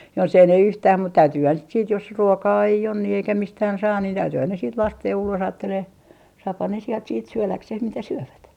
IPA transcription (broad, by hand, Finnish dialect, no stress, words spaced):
jos ei ne yhtæːm mut tæytyːhæn sit siːt jos ruokɑː ei on ni eikæ mistæːn sɑː niːn tæytyːhæn ne siːt lɑsteː jo ulos ɑːtːeleː sɑːphɑn ne sielt siːt syølækseh mitæ syøʋæt